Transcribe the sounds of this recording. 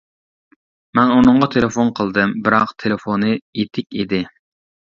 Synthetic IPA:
mɛnunɨɴʁɑt̪ʰelefonqʰəlˠd̪ɨmbɪɾɑqt̪ʰelefonɨet̪ʰɪkʲid̪ɪ

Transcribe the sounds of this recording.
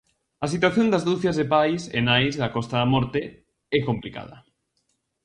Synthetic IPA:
ɐsit̪̬waθjond̪azðuθjazðepajsḛnajzðakɔst̪aðamɔɾt̪e | ɛkomplika̰ðɐ

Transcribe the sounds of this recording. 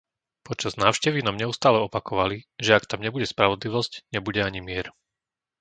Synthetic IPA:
pɔt͡ʃaznaːʊʃcɛʋinamɲɛust̪aːlɛɔpakɔʋaliʒɛakt̪amɲɛbuɟɛspɾaʋɔd̪liʋɔscɲɛbuɟɛaɲimɪɛɾ

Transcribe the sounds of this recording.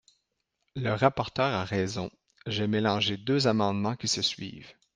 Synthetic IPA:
ləʁapɔʁt̪œːʁaʁɛzɔ̃ | ʒɛmelɑ̃ʒed̪øzamɑ̃d̪mɑ̃kʲisəsɥḭːv

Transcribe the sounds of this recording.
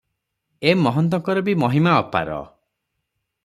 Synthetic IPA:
emɔɦɔnt̪̬ɔŋkɔɾɔbimɔɦimaɔpa̰ɾɔ̰

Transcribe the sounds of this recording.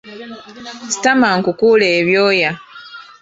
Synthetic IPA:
si̥tamaŋkukuːleːβjoːja

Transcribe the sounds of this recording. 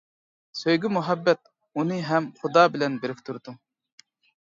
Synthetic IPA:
søjɡʲɪmuɦɛbːɛt̪̚ | unɨɦɛmχud̪ɑːbɪlɛnbeɾɪk̚ʲt̪ʰuɾd̪u

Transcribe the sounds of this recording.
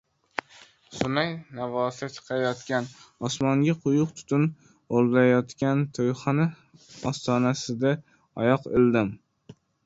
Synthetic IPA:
sʊnajnavɒsat͡ʃ̪ʰɨ̥qʰɑjɒt̪kʲanɒsmɒŋɡʲaqʰʊjʊqt̪ʰʊ̥t̪ʰʊn | olˠd̪ajɒt̪kʲant̪ʰojχɑna | ɒst̪ɒnasɪd̪a | ɒjɒqɪld̪ɪm

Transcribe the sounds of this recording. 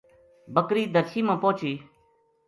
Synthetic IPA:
bəkɾiːd̪əɾʃʰiːmãːpoːt͡ʃiː

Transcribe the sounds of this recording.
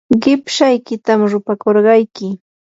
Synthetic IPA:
ɢɪpʃajkɪt̪amɾʊpakoɾɢɑjkɪ

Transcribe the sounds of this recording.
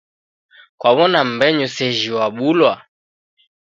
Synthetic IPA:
kwaβɔnam̩bɛɲusɛʒiwaɓulwa

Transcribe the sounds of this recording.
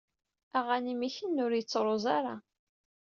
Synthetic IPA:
æʁænimiçənːʊɾjət͡sːɾˤozˤaɾˤɑ

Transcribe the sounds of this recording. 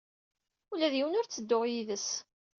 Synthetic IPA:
ulæðjiwənʊɾt͡sːəd̪ːʊʁjiðəs

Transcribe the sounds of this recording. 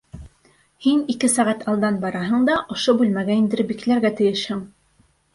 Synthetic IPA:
hinikɘsæʁæt̪ɑlˠd̪ɑnbɑɾɑɦɤ̆ɴd̪ɑʔŏʃobʉlmæɡæind̪ɘ̆ɾɘbiklæɾɡæt̪ɘ̆jɘʃhɘŋ

